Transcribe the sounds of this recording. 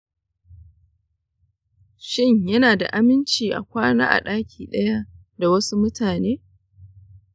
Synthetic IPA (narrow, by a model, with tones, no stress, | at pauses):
ʃɪ˦ɲjɐ˦naː˨da̰˨ʔa˦mɪ˦nt͡ʃiː˨ʔa̰˨kʷaː˦na̰ː˦ʔa̰˨ɗaː˦kʲiː˨ɗɐ˦ja˦ | da˨wɐ˦su˦mʊ˦tʰaː˨neː˦